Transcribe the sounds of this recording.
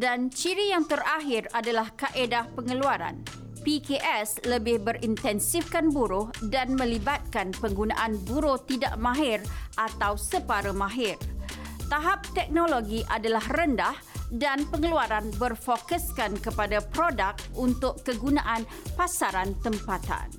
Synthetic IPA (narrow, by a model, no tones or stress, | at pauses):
dant͡ʃiɾijaŋt̪əraɦɪradalahkaʔedapəŋəluaɾa̰n | pikeʔɛsləbɪhbərint̪ɛnsifkanbuɾʊhdanmə̃libat̪̚kanpəŋɡunã̰ʔanbuɾʊht̪ida̰ʔmãɦɪrʔat̪awsəpaɾəmãɦɪrt̪aɦap̚t̪ɛk̚noloɡiʔadalahrəndahdanpəŋəluaɾanbərfokəskankəpadapɾodak̚t̪unt̪ʊʔkːəɡunãʔan | pasaɾant̪əmpat̪a̰n